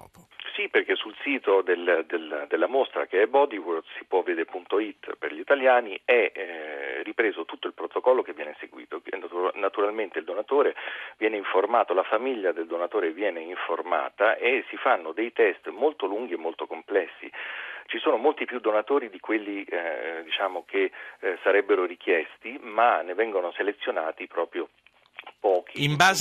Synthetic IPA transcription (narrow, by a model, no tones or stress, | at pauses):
siperk̟esulsiːt̪od̪eld̪eld̪elːamost̪ɾa̰k̟eɛbɔd̪iword̪si̥pwɔvːed̪eɾpunt̪oit̪ːperʎiːt̪aljaːniɛ | ripɾeːzot̪ut̪ːoilpɾot̪okɔlːokevːjɛːneseɡwḭːt̪onunat̪uɾalment̪eild̪onat̪oːɾevjɛːneiɱformaːt̪olafamiʎːad̪eld̪onat̪oːɾevjɛːneiɱforma̰ːt̪aʔesifanːod̪ejt̪ɛst̪molt̪oluŋɡ̟iemːolt̪okomplɛsːḭt͡ʃisoːnomolt̪ipːjud̪ːonat̪oːɾid̪ikwelːid̪it͡ʃaːmok̟ʰesaɾɛbːeɾorik̟jɛst̪imanːevɛŋɡonoselet̪sːjonaːt̪ipɾɔːpɾjo | pɔːk̟ʰiimbaːz